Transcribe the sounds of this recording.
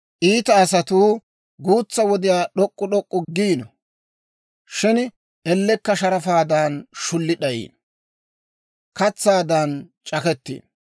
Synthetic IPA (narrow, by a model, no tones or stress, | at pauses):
ʔiːt̪ɐːs̬ɐt̪uː | ɡuːt͡sːɐwɔd̪ɪjaːɗɔkʼːʊɗɔkʼːʊɡiːnɔ | ʃɪn | ɛlːɛkːɐʃɐɾɐfaːd̪aːnʃʊlːɪɗɐjḭːn | kɐt͡sːaːd̪ant͡ʃʼɐkɛt̪ːḭːn